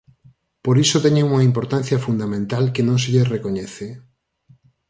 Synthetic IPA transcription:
poɾisot̪ɛɲeŋuŋɐimpoɾt̪anθjɐfund̪amẽnt̪alkenõŋseʎesrekoɲɛθe

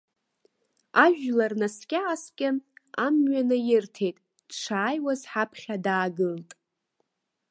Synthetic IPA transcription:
aʒᶣlarnaskʲʼaːskʲʼɪamɥanɨjɪrtʰe̞jtʼ | d̥ʈ͡ʂʰaːjwazħapʰχʲadaːɡɨltʼ

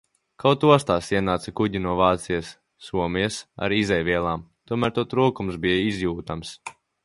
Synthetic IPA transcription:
kawt̪uɔst̪aːsiɛnaːt̪sakuɟinuɔvaːt̪sijɛsː | uɔmiɛsa̰ɾizɛjvʲiɛlˠaːmt̪uɔmæːɾt̪uɔt̪ɾuːkumsbijaizjuːt̪ams

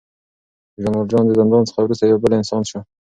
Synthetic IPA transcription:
ʒamɑld͡ʒɑnd̪əzand̪ɑnt͡sə̥χawɾus̬t̪ajawbəlɪnsɑnʃa

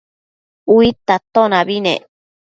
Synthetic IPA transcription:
uit̪at̪onaβinḛ

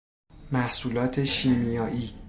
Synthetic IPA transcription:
mæhsuːlɒːt̪ʰe̞ʃiːmijɒːʔiː

